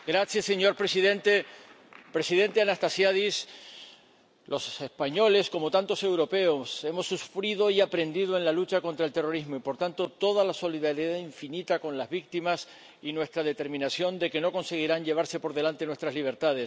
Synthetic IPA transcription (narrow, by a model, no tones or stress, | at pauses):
ɡɾasjase̞ɲo̞ɾpɾesiðe̞nt̪e | pɾe̞siðe̞nt̪e̞anast̪asjaðis | lo̞se̞spaɲo̞le̞sko̞mo̞t̪ant̪o̞se̞wɾo̞pe̞ose̞mo̞sːufɾiðo̞iapɾe̞nd̪iðoe̞nlalut͡ʃako̞nt̪ɾaelt̪e̞ro̞ɾizmoipo̞ɾt̪ant̪o̞t̪o̞ð̞alaso̞liðaɾjðaiɱfinit̪akõ̞nlazβik̚t̪imas | inwe̞st̪ɾað̞e̞t̪e̞ɾmĩnasjo̞nd̪e̞ke̞no̞ko̞nse̞ɣ̞iɾaɲʝe̞β̞aɾse̞po̞ɾðe̞lant̪e̞nwe̞st̪ɾazliβ̞e̞ɾt̪aðes